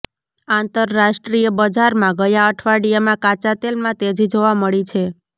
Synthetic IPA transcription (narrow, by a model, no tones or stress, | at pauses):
ant̪əɾːaʃʈɾijəbəd͡ʒaɾmãɡəjaəʈʰʋaɽijamãkat͡ʃat̪elmãt̪ed͡ʒid͡ʒoʋaməɭit͡ʃʰe